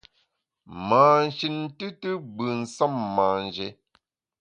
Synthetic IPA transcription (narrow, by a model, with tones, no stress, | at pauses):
maː˨n̩˨ʃi˨n˦tɨ˦tɨ˦bɨ˨n̩˨sa˦˨mːaː˨n˨d͡ʒe˨˦